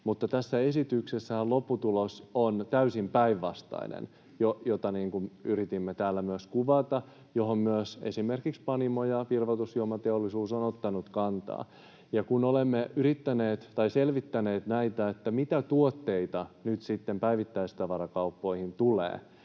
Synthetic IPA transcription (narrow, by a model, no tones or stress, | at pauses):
mut̪ːɑt̪æsːæesit̪yksesːæhælopːut̪ulosont̪æysimpæiʋːɑst̪ɑ̰inḛn | jojot̪ɑniːŋkunyɾit̪imːet̪æːlːæmyøskuʋɑt̪ɑ | joɦommyøsḛsimerkikspɑnimojɑʋirʋot̪usjuomɑt̪eolːisuːsonot̪ːɑnut̪kɑnt̪ɑ̰ː | jɑkunolemːeyɾit̪ːæneːt̪t̪ɑiselʋit̪ːæneːt̪næit̪æet̪ːæmit̪æt̪uot̪ːeit̪ɑnyt̪sit̪ːempæiʋit̪ːæist̪ɑʋɑɾɑkɑupːoihint̪ulḛː